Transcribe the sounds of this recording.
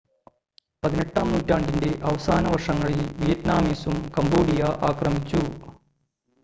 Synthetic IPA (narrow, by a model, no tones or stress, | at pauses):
pɐðine̞ʈːaːmnuːtːaːɳɖinde̞ʔɐʋɐsaːnɐʋɐrʂɐŋːɐɭilʋijɐtnaːmiːsumkɐmboːɽijɐʔaːkrɐmit͡ɕːu